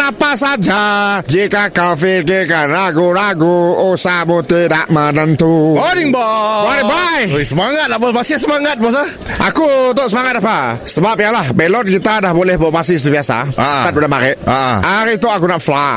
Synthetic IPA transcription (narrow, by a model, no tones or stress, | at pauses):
napasad͡ʒad͡ʒekakafɪrk̬ekanɾaɡoɾaɡoosamot̪edaʔmadant̪uodiŋbɔwaɾɛbajojsəmaŋat̪̚labɔsbasis̬əmaŋat̪̚bɔs̬a | ʔa̰kut̪ʊʔsəmaŋat̪̚dapasəbap̚ijalahbɛlɔn̚kit̪adahbolɛhbaʔpasis̬i̥t̪ubiasa̰at̪̚budamaɾɛʔaaɾit̪uakunaʔfla